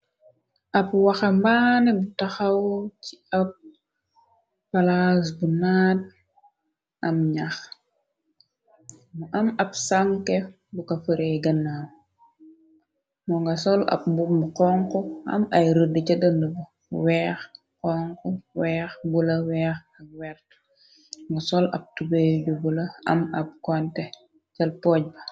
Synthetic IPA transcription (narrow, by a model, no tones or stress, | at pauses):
ʔɐpwaxambanɛbutaxawt͡ʃiɐp̚ | alas̬bunaːd̚ | ɐmɲax | muʔɐmɐpsaŋke | bukafəɾejɡanːa | mɔŋɡɐsɔlɐ̰b̚bumkɔːŋkɔɐ̰mɐjɾədət͡ʃɐdəndəbɐ | wɛːx | kɔŋkɔwɛːxbulɐwɛːx | ɐwɛrt | ŋɡɐsɔlɐ̰b̚tubejɟubulɐɐ̰mɐp̚kɔntɛ | t͡ʃɐlpɔːɟ̚bɐ